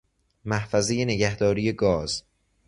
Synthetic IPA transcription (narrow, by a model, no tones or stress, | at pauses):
mæhfæzeje̞ne̞ɟæhd̪ɒːɾije̞ɡɒːz̥